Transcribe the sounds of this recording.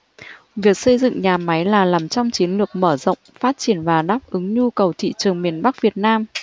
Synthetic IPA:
vi˨˩ək̚sə˧jzɨ̰˧˨ŋɲaː˨˩ma˨˦jlaː˨˩laː˨˩mt͡ɕɔ˧wŋ͡mt͡ɕi˨˦ənlɨ˨˩ək̚məː˧˩zə̰˧˨wŋ͡mfaː˦˥t̚t͡ɕi˧˩ənvaː˨˩ɗaː˦˥p̚ʔɨ˨˦ŋɲu˧kə˨˩wt̪ʰḭ˧˨t͡ɕɨ˨˩əŋmi˨˩ənɓa˦˥k̚vi˨˩ət̚naː˧m

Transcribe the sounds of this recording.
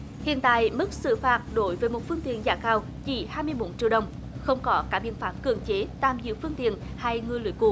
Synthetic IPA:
hḭ˧˨ənt̪a̰ː˧˨jmɨ˦˥k̚sɨ̰˧˨faː˨˦˩t̚ɗo˨˦jvəː˨˦jmo˨˩t̚fɨ˧ŋt̪ḭ˧˨ənza̰ː˧˩kaː˧w | t͡ɕi˧˩haː˧jmɨ˧əjɓo˨˦nt͡ɕḭ˧˨əwɗə˧˩wŋ͡m | xə˧wŋ͡mkɔ˨˦kaː˧˥ɓḭ˧˨ənfaː˨˥˩m̚kɨ̰˧˩əŋt͡ɕe˨˦t̪aː˧˩mzɨ̰˧˨wfɨ˧əŋt̪ḭ˧˨ən | ha˧jŋɨ˧˩əjlḭ˧˩əjkṵ˧˩

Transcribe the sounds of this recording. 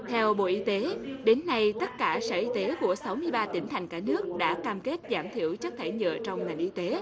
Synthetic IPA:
t̪ʰɛ˧wɓo̰˧˨ʔi˧t̪e˨˦ɗe˨˦nːa˧jt̪ə˦˥t̚kaː˧˩sə̰ː˧˩ʔi˧t̪e˨˦ku˧˩əsa˨˦wmɨ˧əjɓaː˧t̪ï˧˩ŋ̟t̪ʰa˨˩jŋ̟kaː˧˩nɨ˦˥ək̚ɗa̰ː˧˥kaː˧mke˦˥t̚zaː˧˩mt̪ʰḭ˧˩˨əwt͡ɕə˦˥k̚t̪ʰa˧˩jɲə̰ː˧˨t͡ɕɔ˧wŋ͡mŋa˨˩jŋ̟ʔi˧t̪e˨˦

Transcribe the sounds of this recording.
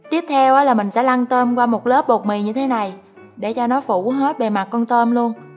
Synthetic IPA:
t̪i˦˥əp̚t̪ʰɛ˧wʔəː˨˦laː˨˩mï˨˩ŋ̟sɛ̰˧˥la˧ŋt̪əː˧mkwaː˧mo˨˩t̚lə˦˥p̚ɓo˨˩k̚mi˨˩ɲɨ˧t̪ʰe˨˦na˨˩j | ɗe˧˩t͡ɕɔ˧nɔ˨˦fu˧˩ɦe˦˥t̚ɓe˨˩ma˨˩t̚kɔ˧nt̪əː˧mlu˧ən

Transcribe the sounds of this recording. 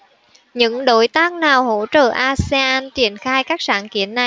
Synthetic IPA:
ɲɨ̰˧˥ŋɗo̰˧˥jt̪aː˦˥k̚naː˨˩who̰˧˥t͡ɕəː˧˨˩ʔaː˧se˧ʔaː˧nt͡ɕi˨˩ənxaː˧jkaː˦˥k̚sa̰ː˧˥nkḭ˧˩ənːa˨˩j

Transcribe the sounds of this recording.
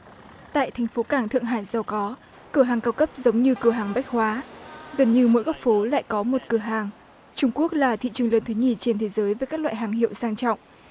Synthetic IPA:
t̪a̰ː˧˨jt̪ʰɛ˨˩jŋ̟fo˨˦kaː˧˩ŋt̪ʰɨ˧˨əŋɦaː˧˩jza˨˧˩wkɔ˨˦ | kɨ˧˩əɦaː˨˩ŋkaː˧wkə˦˥p̚zə˨˦wŋ͡mɲɨ˧kɨ˧˩əɦaː˨˩ŋɓa˦˥jk̚hwaː˨˦ɣə˨˩nɲɨ˧mo̰˧˥jkɔ˦˥k̚fo˨˦la̰ː˧˨jkɔ˨˦mo˨˩t̚kɨ˧˩əɦaː˨˩ŋ | t͡ɕʊ˧ŋ͡mku˦˥ək̚laː˨˩t̪ʰḭ˧˨t͡ɕɨ˨˩əŋləː˨˧˩nt̪ʰɨ˨˦ɲi˧˩t͡ɕe˧nt̪ʰe˨˦zəː˨˦jvəː˨˦jkaː˦˥k̚lwa̰ː˧˨ɦaː˨˩ŋɦḭ˧˨əwsaː˧ŋt͡ɕɔ̰˧˨wŋ͡mʔ

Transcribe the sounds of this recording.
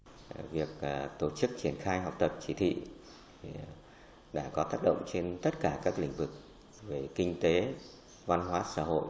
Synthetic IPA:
vi˨˩ək̚t̪o˧˩t͡ɕɨ˦˥k̚t͡ɕi˧˩ənxaː˧jɦa˨˩wk͡p̚t̪ə˨˩p̚t͡ɕi˧˦t̪ʰḭ˧˨ | i˨˩ | ɗa̰ː˧˩kɔ˨˦t̪aː˦˥k̚ɗə̰˧˨wŋ͡mt͡ɕe˧nt̪ə˦˥t̚kaː˧˩kaː˦˥k̚lï˧˩ŋ̟vɨ˨˩k̚ | ve˨˩kï˧ŋ̟t̪e˨˦ | va˧nɦwaː˨˦sa̰ː˧˥ɦo̰˧˨j

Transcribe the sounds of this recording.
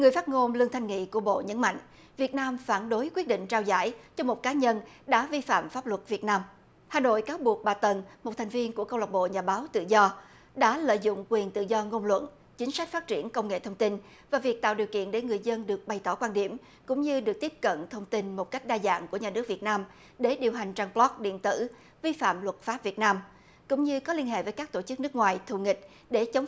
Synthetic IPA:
ŋɨ˩əjfaː˦˥t̚ŋo˧mlɨ˧əŋt̪ʰa˧jŋ̟ŋḭ˧˨ku˧˩əɓo̰˧˨ɲə̰˨˧˥nma̰˧˨jŋ̟ | vi˨˩ət̚naː˧mfaː˧˩nɗo˨˦jkwi˦˥t̚ɗḭ̈˧˨ŋ̟t͡ɕaː˧wza̰ː˧˩jt͡ɕɔ˧mo˨˩t̚kaː˨˦ɲə˧nɗa̰ː˧˥vi˧fa̰ː˧˨mfaː˦˥p̚lwə˨˩t̚vi˨˩ət̚naː˧m | haː˨˩no̰˧˨jkaː˨˦wɓu˨˩ək̚ɓaː˨˩t̪ə˨˩nmo˨˩t̚t̪ʰjŋ̟vi˧ənku˧˩əkə˧wə˨˩t̚ɓo̰˧˨ɲaː˨˩ɓaː˨˦wt̪ɨ̰˧˨zɔ˧ | ɗa̰ː˧˥lə̰ː˧˨jzʊ̰˧˨ŋ͡mkwi˨˩ənt̪ɨ̰˧˨zɔ˧ŋo˧nlwə̰˧˨n | t͡ɕï˨˦ŋ̟sa˦˥k̟̚faː˦˥t̚t͡ɕi˧˩ənkə˧wŋ͡mŋḛ˧˨t̪ʰə˧wŋ͡mt̪i˧n | vaː˨˩vi˨˩ək̚t̪a̰ː˧˨wɗi˨˩əwkḭ˧˨ənɗe˧˩ŋɨ˨˩əjzə˧nɗɨ˨˩ək̚ɓa˨˩jt̪ɔ˧˩kwaː˧nɗi˧˩əm | kʊ̰˧˥ŋ͡mɲɨ˧ɗɨ˨˩ək̚t̪i˦˥əp̚kə̰˧˨nt̪ʰə˧wŋ͡mt̪i˧nmo˨˩t̚ka˦˥jk̟̚ɗaː˧za̰ː˧˨ŋku˧˩əɲaː˨˩nɨ˦˥k̚vət̚naː˧m | ɗe˧˩ɗi˨˩əwɦa˨˩jŋ̟t͡ɕaː˧ŋplɔ˦˥k̚ɗḭ˧˨ənt̪ɨ̰˧˩ | vi˧fa̰ː˧˨mlwə˨˩t̚faː˦˥p̚vi˨˩ət̚naː˧m | kʊ̰˧˥ŋ͡mɲɨ˧kɔ˨˦li˧ənɦḛ˧˨vəː˨˦jkaː˦˥k̚t̪o˧˩t͡ɕɨ˦˥k̚nɨ˦˥k̚ŋwaː˨˩jt̪ʰu˧˩ŋï˨˩k̟̚ | ɗe˧˩t͡ɕə˨˦wŋ͡m

